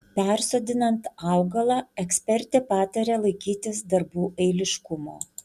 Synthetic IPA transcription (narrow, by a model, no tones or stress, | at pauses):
pʲɛˑɾsoːd̪ʲɪnɐnt̪ɑˑʊɡɐlˠɑːɛksʲpʲɛɾʲt̪ʲepɑːt̪ɐɾʲeːlˠɐɪkʲiːt̪ʲɪsd̪ɐɾbuːʔɐɪlʲɪʃkʊmo̰ː